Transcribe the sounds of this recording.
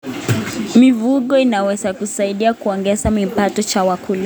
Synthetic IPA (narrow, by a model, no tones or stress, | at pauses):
mivuɠɔinawɛzakusaiɗiakuɔŋɡɛzamipatɔt͡ʃawakula